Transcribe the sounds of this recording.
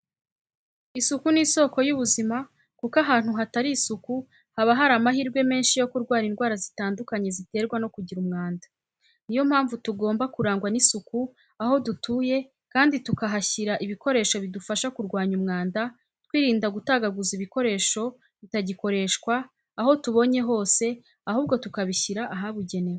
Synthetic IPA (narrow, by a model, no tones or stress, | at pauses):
isukuniːso̞ko̞juβuzima | kukaɦaːn̥huɦataɾiːsuku | haβaɦaɾamahiːɾɡwe̞me̞ːnʃijo̞kuɾɡwaːɾinɡwaːɾazitaːndukaɲe̞zite̞ɾɡwano̞kuɟiɾumŋaːnda | nijo̞m̥haːɱvutuɡo̞ːmbakuɾaːŋɡwanisuku | aho̞dutuːje̞ | kaːnditukaɦaçiɾaʔiβiko̞ɾe̞ːʃo̞βidufaʃakuɾɡwaːɲumŋaːnda | twiːɾiːndaɡutaːɡaɡuziβiko̞ɾe̞ːʃo̞ | βitaɟiko̞ɾe̞ʃkwaː | ho̞tuβo̞ɲe̞ɦo̞ːse̞ | ahuːβ̚ɡo̞tukaβiçiɾaʔaɦaβuɟe̞ne̞we